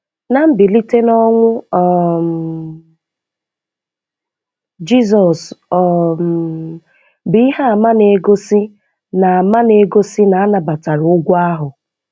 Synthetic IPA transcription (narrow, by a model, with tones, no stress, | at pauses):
na˦m̩˦bɪ˨li˦te˦nɔ˦ŋʷʊ˦˨m | d͡ʒi˦zɔ˨sɔ˨m | bɪ˦i˦ɦa˦a˨ma˦ne˨ɡo˦si˦ | na˨ma˦ne˨ɡo˦si˦na˨a˦na˨ba˨ta˨ɾʊ˦ɡʷa˦ɦʊ˨